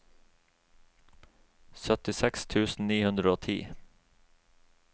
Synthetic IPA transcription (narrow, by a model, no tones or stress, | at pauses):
sœt̪ɪsɛkst̪ʰʉːsn̩niːhʉnd̪ɾəoːt̪ʰḭː